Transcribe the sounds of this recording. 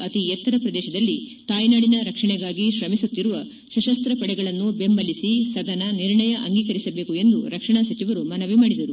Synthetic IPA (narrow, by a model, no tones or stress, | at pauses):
ɐt̪iɛt̪ːɐɾɐpɾɐd̪ɛːʃɐd̪ɐlːit̪aːjnaːɽinɐɾɐkʂɐɳɛɡaːɡiʃɾɐmisut̪ːiɾuʋɐ | ʃɐʃɐst̪ɾɐpɐɽɛɡɐɭɐnːube̞mbɐlisisɐd̪ʱɐnɐniɾɳɐjɐʔɐŋɡiːkɐɾisɐbe̞ːkue̞nd̪uɾɐkʂɐɳasɐt͡ʃiʋɐɾumɐnɐʋimaːɽid̪ɐɾu